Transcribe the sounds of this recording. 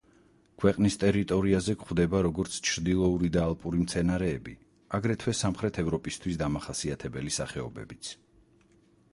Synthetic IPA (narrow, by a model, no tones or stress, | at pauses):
kʰwɛqʼnist̪ʼɛɾit̪ʼɔɾiazɛkχwd̪ɛbaɾɔɡɔɾt̪sʰt͡ʃʰɾd̪ilˠɔuɾid̪aːlˠpʼuɾimt̪sʰɛnaɾɛːbi | aɡɾɛt̪ʰwɛsamχɾɛt̪ʰɛvɾɔpʼist̪ʰwisd̪amaχasiat̪ʰɛbɛlisaχɛɔbɛ̰bit̪sʰ